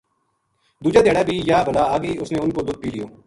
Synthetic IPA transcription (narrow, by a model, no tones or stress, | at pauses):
d̪uːd͡ʒaːd̪eːɽaːbʱiːjaːbʱəlaːaːɡeiːʊsnẽːʊnkoːd̪ʊd̪̚piːlɪjo̰ː